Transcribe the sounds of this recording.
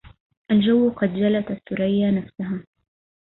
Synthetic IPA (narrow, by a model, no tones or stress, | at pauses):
ʔald͡ʒawːqɑd̪d͡ʒalat̪asːʊɾajːanafsaɦaː